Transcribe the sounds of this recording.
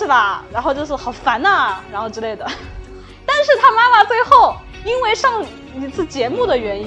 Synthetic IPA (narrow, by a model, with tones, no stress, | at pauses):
ʂɻ̩˥˩bɐ˩ɻa˧˥nxo˥˧ʊt͡ɕjo˥˧ʊʂɻ̩˥˩xɑ˨˩ʊfa˧˥nɐ˧ɻa˧˥nxo˥˧ʈ͡ʂɻ̩˧˥le˥˩ɪd̪ə˩ | t̪a˥˧nʂɻ̩˥˩t̪ʰa˥ma˥ma˨t͡swe˥˧ɪxo˥˩ʊ | i˥nwe˥˧ɪʂɑ˥˩ŋ | i˧˥t͡sʰɹ̩˥˩t͡ɕjɛ˧˥mu˥˩d̪ə˩ɥɛ˧˥ni˥